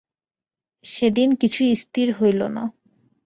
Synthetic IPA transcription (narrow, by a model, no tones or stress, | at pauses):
ʃed̪inkit͡ɕʰuist̪iɾɦojlona̰